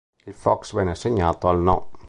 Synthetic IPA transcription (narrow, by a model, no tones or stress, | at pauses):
ifɔksbɛnaseɲat̪ɔlnɔ